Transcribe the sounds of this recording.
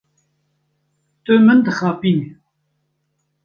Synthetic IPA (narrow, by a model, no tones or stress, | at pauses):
t̪ɨmɨnd̪ɨxɑːpiːne